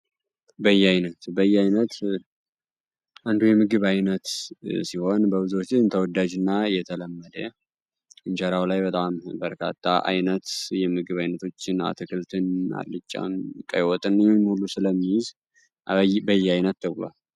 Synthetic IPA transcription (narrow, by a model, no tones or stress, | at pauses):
bəjːɛajnət̪bəjːɛajnət̪ | ʔand̪ujɛmɨɡɨβajnət̪siho̞nbəβɨzwt͡ʃːɪɨnt̪ʰəwɔd̪ad͡ʒɨnːajɛt̪ʰələmːəd̪ə | ʔɨnt͡ʃəɾawlajbət̪ʼambəɾkʰa̰t̪ʼːa̰ʔa̰jnət̪jɛmɨɡɨβajnət̪ʰo̞t͡ʃːɪna̰t̪ʰɨkʰɨlt̪ʰɨna̰lɨt͡ʃʼːa̰nkʼəjwɔt̪ʼɨnjɨmhulːusɨləmːijɪz | bəjːɛajnət̪̚t̪ʰəβla̰l